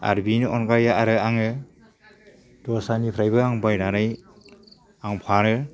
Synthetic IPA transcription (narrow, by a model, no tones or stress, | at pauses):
a̰ɾbinɯɔnkajaaɾɯaŋɯ | d̥ɔsanipʰɾajbɯaŋbajnanɯj | aŋpʰaɾɯ